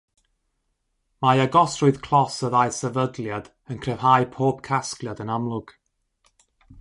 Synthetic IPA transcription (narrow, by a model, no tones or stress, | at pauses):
majaɡɔsrʊɨð̥kʰl̥ˠɔsəðajsəvədlˠjad̥ | ənkʰrɛv̥hajpʰoːbkʰasklˠjadənamlˠʊɡ̥